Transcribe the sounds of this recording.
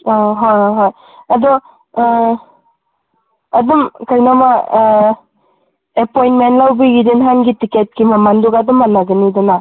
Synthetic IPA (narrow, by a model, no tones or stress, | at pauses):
ɦɔjɦoj | adɔ | adumkajnama | epɔjnmentlawbiɡidinɦanɡitiket̚kimamanduɡadɔmːanaɡɯnidɯna